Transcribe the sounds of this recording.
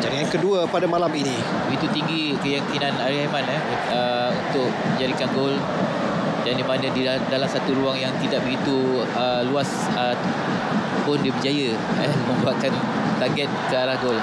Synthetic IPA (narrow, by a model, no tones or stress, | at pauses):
d͡ʒaɾiankəduəpadamalamini | bəɡit̪ut̪iŋɡi | kəjaŋkinanaɾihamanəh | ə | unt̪ʊk̚mə̃ɲd͡ʒaɾikanɡol | dandimanadi | dalamsat̪uɾuaŋjaŋt̪idaʔ̚bəɡit̪u | ə | luas | ə | pʊndibəd͡ʒajə | əmə̃mbuaʔkan | t̪aɡɛt̪̚skəaɾahɡol